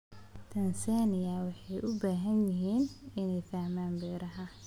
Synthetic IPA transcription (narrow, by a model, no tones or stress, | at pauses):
t̪ʰɐnsaːnɪjɐwɑħɑjʔʊbaːɦɐnjɪɦiːnɪnɛjfaːmaːnbɛːɾɐɦɐ